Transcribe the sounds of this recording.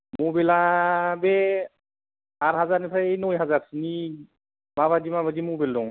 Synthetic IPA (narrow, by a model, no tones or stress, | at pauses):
mubɛlabɛ | aɹɦazaɹnipʰanojɦazaɹsini | mabazimabazimubɛldɔŋ